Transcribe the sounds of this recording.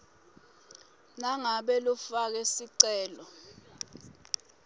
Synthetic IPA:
naŋaɓɛlɔfak̬ɛsiǀɛːlɔ

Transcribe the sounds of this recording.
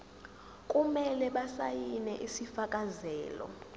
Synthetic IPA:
kʼumɛlɛɓasajinɛʔisifakʼazɛːlɔ̰

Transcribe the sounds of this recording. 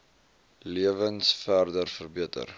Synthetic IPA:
liəvənsfærdərfərbiətə̰r

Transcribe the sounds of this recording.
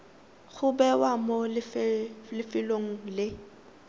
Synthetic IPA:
ɣʰʊbɛwamolɪflɪfɪloŋ̩lɪ

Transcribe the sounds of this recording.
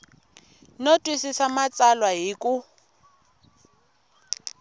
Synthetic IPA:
notʼwisisamat͡sʼalwaɦiːkʼʊ

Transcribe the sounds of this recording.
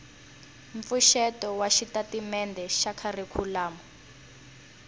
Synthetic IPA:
ɱfuʃɛtɔwaʃitatimɛndʱɛʃakʰarikʰulaːmɔ

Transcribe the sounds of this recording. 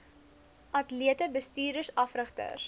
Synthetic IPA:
ʔɐtliətəbəstiːrdəsɐfrəχtə̰s

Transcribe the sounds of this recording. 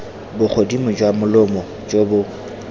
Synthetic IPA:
bʊk͡xʰodimʊd͡ʒwamʊlʊmɔ | d͡ʒobʊ

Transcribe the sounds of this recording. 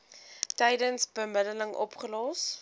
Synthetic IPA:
tɛjdənsbəmədələŋʔɔ̰pχəlɔːs

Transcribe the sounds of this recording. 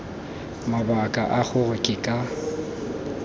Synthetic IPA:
mabakʼa̰ʔaχʊrʊkʼɪkʼa

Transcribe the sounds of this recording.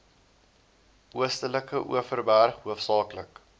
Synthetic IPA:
ʔuəstələkəʔṵəfərbærχɦuəfsɑːklək

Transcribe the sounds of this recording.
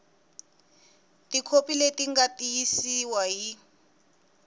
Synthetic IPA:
tikʰopiletiŋɡatʼijisiwaɦi

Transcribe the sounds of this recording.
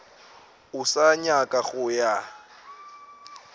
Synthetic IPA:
ʊsaɲakʼaɣʊja

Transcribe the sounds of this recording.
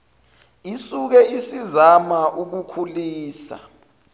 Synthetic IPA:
isuk̬ɛisizamaʔuk̬ukʰuliːsa̰

